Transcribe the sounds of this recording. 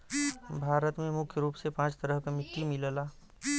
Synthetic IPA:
bʱaːɾət̪mẽmʊkʰjəɾuːpsepãːt͡ʃt̪əɾəɦkamɪt̪ːimɪləlaː

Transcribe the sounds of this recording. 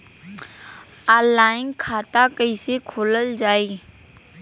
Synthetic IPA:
aːlaːɪnkʰaːt̪akəɪsekʰoːləld͡ʒaːiː

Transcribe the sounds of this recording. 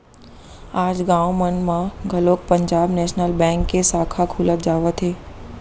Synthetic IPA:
aːd͡ʒɡãːwmənmãɡʱɐloːk̚pə̃ɲd͡ʒaːbnɛːʃnəlbɛ̃ːŋkːesaːkʰakʰuːlət̪̚d͡ʒaːʋət̪ʰɦeː

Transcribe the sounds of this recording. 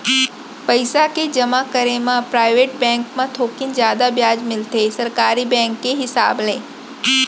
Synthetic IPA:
pɐɪsaked͡ʒɐmakəɾemãpɾaːɪʋeːʈ̚bɛ̃ːŋkmãt̪ʰoːkɪnzjaːd̪abjaːd͡ʒmɪlt̪esɐɾkaːɾibɛ̃ːŋkːeɦɪsa̰ːblẽː

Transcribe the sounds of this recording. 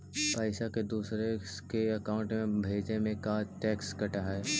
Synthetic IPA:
pəɪsaked̪uːsɾekeɐkaːʊ̃ɳʈmẽbʱeːd͡ʒnemẽkaːʈɛːkskɐʈaɦɛː

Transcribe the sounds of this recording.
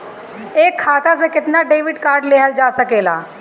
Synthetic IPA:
eːkʰːaːt̪as̬ekɪt̪naːɖeːʋɪɖkaːɾɖleːɦəld͡ʒaːsəkeːla̰ː

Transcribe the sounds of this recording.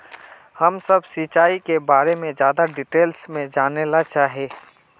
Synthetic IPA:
həmsəbsit͡ʃaːikebaːɾemẽd͡ʒjaːd̪aɖɪʈeːlsmẽd͡ʒaːnelat͡ʃaːɦeː

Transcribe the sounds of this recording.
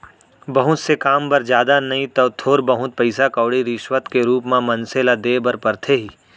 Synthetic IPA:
bɐɦʊt̪sekaːmpɐɾd͡ʒjaːd̪anɐɦĩt̪oːt̪ʰoːɾbɐɦʊt̪̚pɐɪsakɐːɽiɾɪʃwət̪keɾuːpmãmɐ̃nselad̪eːbɐɾpɐɾt̪ʰeɦiː

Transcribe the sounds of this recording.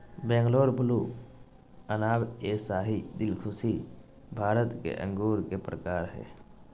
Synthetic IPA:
bɛ̃ːŋɡloːɾpʊlu | ənaːbeːsaːɦid̪ɪlkʰʊsi | bʱaːɾət̪kḛʔə̰̃ŋɡuːɾkepɾəkaːɾɦɛ̰ː

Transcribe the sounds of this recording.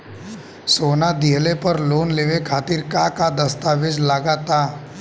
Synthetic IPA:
soːnad̪iɦlepəɾloːnleːʋekʰaːt̪ɪɾkakad̪ɐst̪aːʋɪd͡ʒlaːɡat̪aː

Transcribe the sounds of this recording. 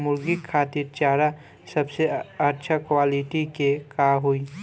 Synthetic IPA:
mʊɾɡikʰːaːt̪iɾt͡ʃaːɾa | səbseəɾt͡ʃʰakwaːliʈikekaːɦui

